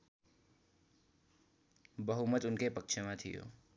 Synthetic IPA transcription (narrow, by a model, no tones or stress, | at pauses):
bəɦumət̪ʊnkepɐkʃʰemãt̪ʰɪjo̰ː